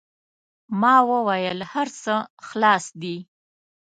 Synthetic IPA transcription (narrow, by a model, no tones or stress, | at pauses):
mɑwəwajəlhaɾsəxlɑsd̪i